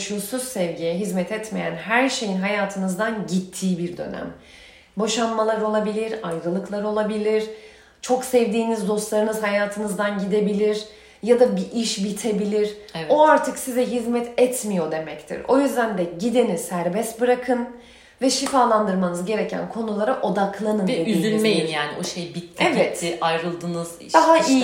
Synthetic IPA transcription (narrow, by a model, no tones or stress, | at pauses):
ʃusuz̥sɛvɟijɛɦizmɛt̪ʰɛt̪me̞jæ̰nɦæɾʃe̞jinɦajaːt̪ʰɯnɯzd̪anɟit̪ʰːiːbiɾd̪ø̞̰næ̰m | bo̞ʃanmalˠaɾo̞lˠabilʲiɾajɾɯlˠɯklˠaɾo̞lˠabilʲiɾ̥ | t͡ʃʰo̞ksɛvd̪iːnizd̪o̞st̪lˠaɾɯnɯzhajaːt̪ʰɯnɯzd̪anɟid̪e̞bilʲiɾ | jad̪abiʔiʃbit̪ʰe̞bilʲiɾo̞aɾt̪ʰɯksizɛɦizmɛt̪ʰɛt̪ʰmijo̞d̪e̞mɛct̪ʰḭɾo̞̰jyzd̪ænd̪ɛɟid̪enisæɾbɛst̪bɯɾakʰɯn | vɛʃifaːlˠand̪ɯɾmanɯzɟe̞ɾe̞cʰæ̰nkʰo̞nulˠaɾaʔo̞d̪akʰlˠanɯnd̪edyiːynmejinjaːnioʃejbit̪ʰːevɛt̪iajɾɯlˠd̪ɯːnɯzid̪aɦai